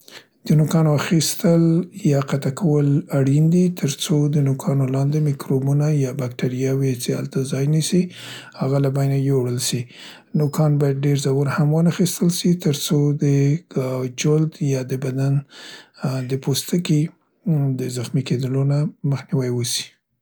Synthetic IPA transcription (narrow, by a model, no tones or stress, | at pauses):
d̪̥ənokɑnoaxist̪əljɑqat̪akʰawəlaɽind̪it̪ʰəɾt͡sod̪ənokʰɑnolɑnd̪emikɾobunajɑbak̚ʈaɾijɑwit͡ʃeha̰lt̪azɑjnisihaɣalabajnajoɽəlʃi | nokɑnbɑjad̪̚ɖeɾzawuɾhamwənəxist̪əlʃit̪əɾt͡sod̪ə | d͡ʒʊld̪jɑd̪əbad̪an | d̪əpost̪əki | d̪əzaxmiked̪əlonaməxniwajwəsi̥